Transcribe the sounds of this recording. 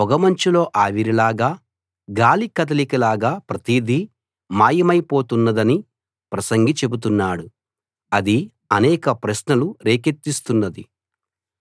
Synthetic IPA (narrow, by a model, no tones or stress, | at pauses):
ɔɡɐmɐɲt͡ʃilo̞ːʔaːʋiɾilaːɡaː | ɡaːlikɐt̪̬ɐlikilaːɡaːpɾɐt̪iːd̪ʱi | maːjɐmɐjpo̞ːt̪unːɐd̪ɐni | pɾɐsɐŋɡit͡ʃe̞but̪̬unːaːɽu | ɐd̪i | ɐnɛːkɐpɾɐʃnɐluɾeːket̪ːist̪unːɐd̪ḭ